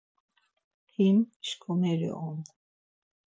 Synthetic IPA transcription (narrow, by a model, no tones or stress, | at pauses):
pʰimʃkʰɔmɛɾḭʔɔm